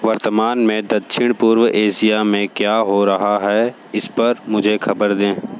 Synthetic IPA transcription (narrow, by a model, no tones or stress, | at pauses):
ʋɐɾt̪əmaːnmẽd̪ɐt̪ʃɪɽ̃puːɾwəʔeːsijamẽkjaːɦoɾɐɦaɦɛ | ɪspɐɾmʊd͡ʒʱexʰɐbəɾd̪ẽː